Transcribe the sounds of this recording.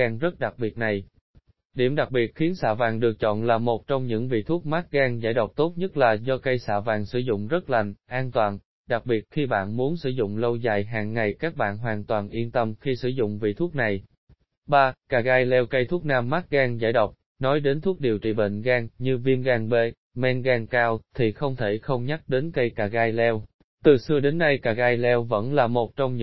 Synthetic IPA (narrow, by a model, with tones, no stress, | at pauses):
aː˧ŋzə˦˥t̚ɗa˨˩k̚ɓi˨˩ət̚na˨˩j | ɗi˧˩əmɗa˨˩k̚ɓi˨˩ət̚xi˨˦ənsa̰ː˧vaː˨˩ŋɗɨ˨˩ək̚t͡ɕɔ̰˧˨nlaː˨˩mo˨˩t̚t͡ɕɔ˧wŋ͡mɲɨ̰˧˥ŋvḭ˧˨t̪ʰu˦˥ət̚ma˦˥t̚ɣaː˧ŋza̰ː˧˩jɗə˨˩wk͡p̚t̪o˦˥t̚ɲə˦˥t̚laː˨˩zɔ˧kə˧jsa̰ː˧˩vaː˨˩ŋsɨ̰˧˩zʊ̰˧˨ŋ͡mzə˦˥t̚la˨˩jŋʔaː˧nt̪waː˨˩n | ɗa˨˩k̚ɓi˨˩ət̚xi˧ɓa̰ː˧˨nmu˨˦ənsɨ̰˧˩zʊ̰˧˨ŋ͡mlə˧wza̰ː˧˨jɦaː˨˩ŋːa˨˩jkaː˦˥k̚ɓa̰ː˧˨nɦwaː˨˩nt̪waː˨˩nʔi˧ənt̪ə˧mxi˧sɨ̰˧˩zʊ̰˧˨ŋ͡mvḭ˧˨t̪ʰu˦˥t̚na˨˩j | ɓaː˧kaː˨˩ɣaː˧jlɛ˧wkə˧jt̪ʰu˦˥ək̚naː˧mːa˦˥t̚ɣaː˧ŋza̰ː˧˩jɗə˨˩wk͡p̚ | nɔ˨˦jɗe˨˦nt̪ʰu˦˥ək̚ɗi˨˩əwt͡ɕḭ˧˨˩ɓḛ˧˨ŋ̟ɣaː˧ŋɲɨ˧vi˧əmɣaː˧ŋɓe˧˩ | mɛ˧nɣaː˧ŋkaː˧wt̪ʰi˨˩xə˧wŋ͡mt̪ʰe˧˩xə˧wŋ͡mɲa˦˥t̚ɗe˨˦nkə˧jkaː˨˩ɣaː˧jlɛ˧w | t̪ɨ˨˩sɨ˧əɗe˨˦nːa˧jkaː˨˩ɣaː˧jlɛ˧wvə̰˧˥nlaː˨˩mo˨˩t̚t͡ɕɔ˧wŋ͡mɲɨ̰˧